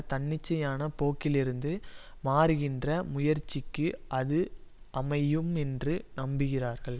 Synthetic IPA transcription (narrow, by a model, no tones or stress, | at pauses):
t̪ɐɳːɪt͡ʃːɐjaːnɐpoːkːɪlɪɾɯnd̪ɯ | maːɾɯɣɪndrɐmʊjɐɾt͡ʃːɪkːɯʔɐðɯ | ʔɐmɐjɯmɛndrɯnɐmbɯɣɪraːɾɣɐɭ